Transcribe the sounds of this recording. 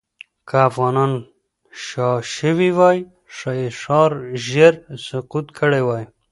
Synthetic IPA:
kʰaafɣɑnɑn | ʃɑʃəwiwɑj | ʂaeʂɑːɾʒeɾsʊqut̪kʰəɽewɑːj

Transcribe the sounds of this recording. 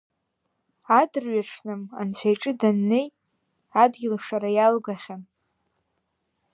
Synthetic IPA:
adɨrɥaʈ͡ʂʰnɨma̰nt͡ɕʷʰajʈ͡ʂʼɨdanːe̞jtʼ | adɡʲɪlʂaɾajalɡaχʲan

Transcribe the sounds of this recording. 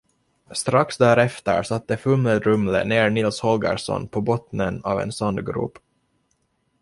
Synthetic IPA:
st̪ɾaksd̪æːɾɛft̪ə̰ɾʂat̪̚ːd̪əfɵmləd̪ɾɵmlə̰neːɾɳɪlshɔlɡə̰ɾʂɔ̰npʰɔbɔt̪nənɑːvɛ̰nsɔnd̪ɡɾṵːp

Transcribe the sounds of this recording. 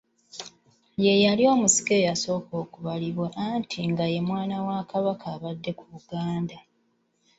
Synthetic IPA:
je̞jalio̞ːmusi̥ke̞ːjaso̞ːko̞ːkuβaliβweʔantʰiŋɡaje̞mwaːnawakaβakaːβadːe̞kuβuɡaːnda

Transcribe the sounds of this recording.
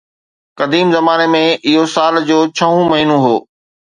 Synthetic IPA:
kɐd̪iːmzɐmaːnemẽʔɪɦosaːld͡ʑoːt͡ɕʰɐɦũmɐɦinũɦoː

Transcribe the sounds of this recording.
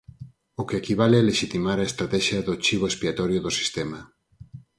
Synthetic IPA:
okeeːkiβ̞aleleʃit̪imaɾaest̪ɾat̪ɛʃjaðot͡ʃiβ̞oespiat̪oɾjoðosi̥st̪ema

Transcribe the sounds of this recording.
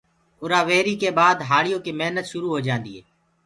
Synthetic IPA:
ʊɾaːʋeːɾiːkeːbaːd̪ɦaːɭijõːkeːmeɦnət̪ʃʊɾuːɦoːd͡ʒãːnd̪iːɦeː

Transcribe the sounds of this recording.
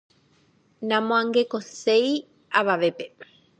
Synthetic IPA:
nãmõãŋɡekosej | aβaʋepe

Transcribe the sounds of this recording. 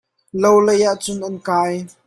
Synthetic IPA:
lowlɐjaʔt͡sʊnʔɐnkaːj

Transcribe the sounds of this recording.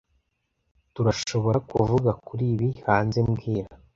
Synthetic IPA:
tuɾaʃo̞βo̞ɾakuvuɡakuɾiːβihaːnze̞mɡiːɾa

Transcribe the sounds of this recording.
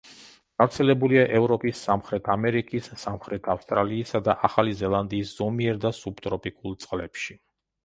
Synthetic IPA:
ɡ̥avɾt̪sʰɛlɛbuliaʔɛvɾɔpʼisːamχɾɛt̪ʰamɛɾikʼisːamχɾɛt̪ʰafst̪ʼɾaliːsad̪aʔaχalizɛlˠand̪iːsz̥ɔmiɛɾd̪asubt̪ʼɾɔpʼikʼulˠt̪sʼqʼlɛ̰pʃi

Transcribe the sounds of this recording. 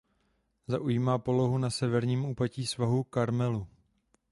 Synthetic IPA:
zaʔujiːmaːpo̞lo̞ɦunasɛvɛɾɲiːmuːpaciːsvaɦukaɾmɛlu

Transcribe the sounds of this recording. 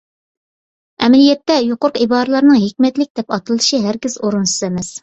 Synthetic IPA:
ɛmɛlijɛt̪ːɛjoqoɾʊqibɑːɾɨlˠɑɾnɨŋɦekʲmɛt̪lɪk̚ʲd̪ɛpɑt̪ɨlˠɨʃɨɦæɾɡʲizoɾunsɨ̥zemɛs

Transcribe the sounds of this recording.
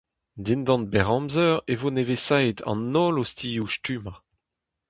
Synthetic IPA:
dindɑ̃nt̪̚bɛʁɑ̃mzœʁevonevesajd̪ʰɑ̰̃nːɔːlostʰijuʃtyːma

